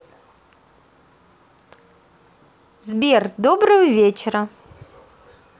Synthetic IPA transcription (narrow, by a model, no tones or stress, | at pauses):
zbʲerd̪obrɨvəvʲet͡ʃerɐ